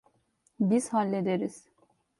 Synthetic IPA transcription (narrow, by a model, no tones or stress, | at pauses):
biz̥halʲːed̪eɾiz̥